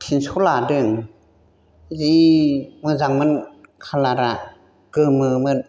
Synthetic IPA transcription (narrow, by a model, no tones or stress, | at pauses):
pʰinsʰuladɯŋ | zimɯzaŋmɯnkʰalaɾaʔ | kɯmɯmɯn